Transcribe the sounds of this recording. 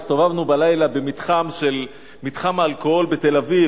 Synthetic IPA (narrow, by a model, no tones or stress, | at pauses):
st̪o̞vavnubalajlabemit̪χamʃel | mit̪χamaalkoolbet̪e̞lavi